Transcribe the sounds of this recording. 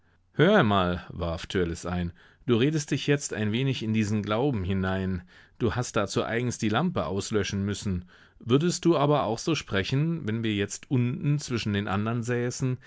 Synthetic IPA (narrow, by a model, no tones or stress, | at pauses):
høːɐamaːlvaɐftʰøɐlɪsʔaɪn | d̥uːʁeːdəst̚d̥ɪçjɛt͡sta̰ɪnveːnɪçɪndiːzn̩ɡlaʊbm̩hɪnaɪn | d̥uːhastd̥aːt͡suːʔa̰ɪɡŋ̩sd̥iːlampəʔa̰ʊslœʃn̩mʏsn̩ | vʏɐdəst̚d̥uːʔaːbɐa̰ʊxz̥oːʃpʁ̥ɛçn̩vɛnviːɐjɛt͡stʔʊntn̩t͡sv̥ɪʃn̩deːnʔa̰ndɐnzɛːsn̩